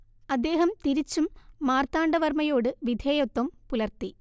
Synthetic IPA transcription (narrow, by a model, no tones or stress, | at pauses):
ɐd̪ːe̞ːɦɐmt̪iɾit͡ɕːumːaːrt̪aːɳɖɐʋɐrmɐjo̞ːɽɨʋid̪ʱeːjot̪ːɐmpulɐrt̪i